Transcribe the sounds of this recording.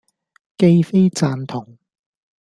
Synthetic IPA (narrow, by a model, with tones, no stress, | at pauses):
ke˥jfe˥jt͡saː˧nt̪ʰʊ˨˩ŋ